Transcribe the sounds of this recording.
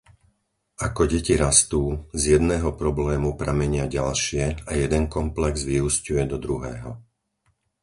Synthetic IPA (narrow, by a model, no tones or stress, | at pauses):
akɔɟɛciɾast̪uːzjɛd̪nɛːɦɔpɾɔblɛːmupɾamɛɲɪaɟalʃɪɛajɛd̪ɛnkɔmplɛɡzʋiuscujɛd̪ɔd̪ɾuɦɛːɦɔ